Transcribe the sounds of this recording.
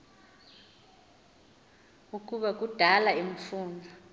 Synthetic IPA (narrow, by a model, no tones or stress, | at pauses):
uk̬ʼuɓak̬ʼud̥ʱalaim̩fuːnd͡ɮʱɔ